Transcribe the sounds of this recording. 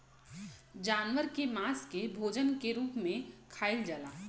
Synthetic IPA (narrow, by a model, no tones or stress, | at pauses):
d͡ʒaːnʋəɾkemaːskebʱoːd͡ʒənkeɾuːpmẽkʰaːɪld͡ʒəlaː